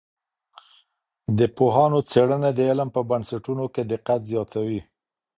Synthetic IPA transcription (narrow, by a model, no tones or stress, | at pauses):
d̪əpoɦɑnot͡seɽəned̪əɪlmpəbansaʈunoked̪ɪqat̪zjɑt̪ʰawi